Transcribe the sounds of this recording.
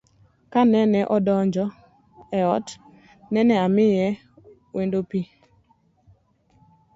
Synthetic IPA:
kanɛnɛʔɔdɔɲd͡ʒɔ | ɛɔt | nɛnɛamɪjɛ | wendopi

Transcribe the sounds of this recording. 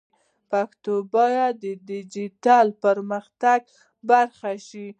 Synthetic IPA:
pakt̪obɑjad̪əd̪ɪd͡ʒit̪ɑlpəɾməxt̪aɡ̚ | baɾxaʃi

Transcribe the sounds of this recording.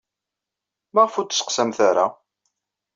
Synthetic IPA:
maʁfut̪ːsqsæmθaɾa

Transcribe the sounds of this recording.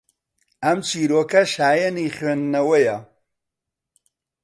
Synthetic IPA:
ɐmt͡ʃʰiːɾoːkɐʃaːjɐniχɥeːnːɐwɐjɐ

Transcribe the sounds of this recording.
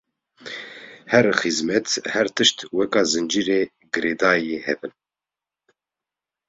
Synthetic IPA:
hɛɾxizmɛt̪hɛɾt̪ʰɨʃt̪wɛkɑːzɨnd͡ʒiːɾeː | ɡɨɾeːd̪aːjeːhɛ̰bɨn

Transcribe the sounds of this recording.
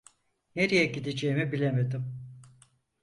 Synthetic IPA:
neɾijɛɟid̪ed͡ʒejimibilʲeme̞d̪im

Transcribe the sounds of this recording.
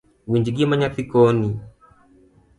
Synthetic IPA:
wiɲd͡ʒiɡimaɲaθikɔni

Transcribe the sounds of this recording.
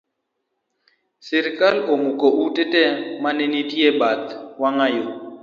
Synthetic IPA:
sɪɾɪkʼalomʊkʼɔʔutʼɛtʼɛmanenitʼiebat̪waŋajo

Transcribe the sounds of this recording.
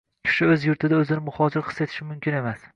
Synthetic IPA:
kʲʰɪ̥ʃɪɵzjʊɾt̪ʰɪd̪aɵzɪnɪmʊhɒd͡ʒɪɾqʰɨset̪ʰɪ̥ʃɪmʊmkʲʰɪne̞mas

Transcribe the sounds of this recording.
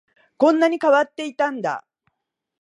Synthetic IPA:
kõ̞nːaɲ̟ikaβat̪ːe̞it̪ãnd̪a̰

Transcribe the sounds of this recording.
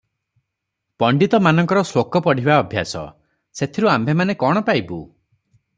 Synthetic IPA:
pɔɳɖit̪ɔmanɔŋkɔɾɔsokɔpɔɽ̤ibaɔbʱja̰sɔ̰ | set̪ʰiɾuambʱemanekɔɽ̃ɔpajbu

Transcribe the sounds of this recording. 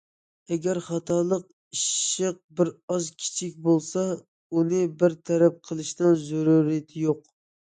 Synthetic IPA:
ɛɡʲæɾχɑt̪ʰɑlˠəq | iʃɪq̚bɪɾɑzkʲʰi̥t͡ʃʰik̚ʲbolˠsɑ | unɨbɪɾt̪ʰɛɾɛp̚qʰəlˠɨʃnɨnzuɾuɾijɛt̪ʰɪjoq

